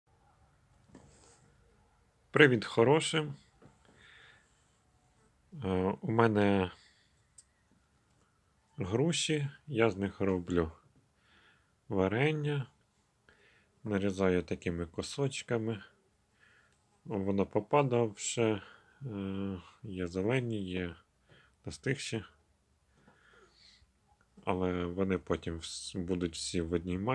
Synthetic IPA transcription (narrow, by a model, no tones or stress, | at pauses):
pɾɪʋʲid̪xɔɾɔʃɪm | umɛnɛ | ɦɾuʃijɑznɪxɾɔblʲu | ʋɐɾɛnʲːɐ | nɐɾʲizɑjʊt̪ɐkɪmɪkɔsɔt͡ʃkɐmɪ | ʋɔnɑpɔpɑd̪ɐwʃɛ | jɛzelˠɛnʲijɛ | nɛst̪ɪxʃi | ɐ̰lˠɛʋɔnɪpɔtʲimwbud̪ʊtʲw̥sʲiʋɔdʲnʲimɑ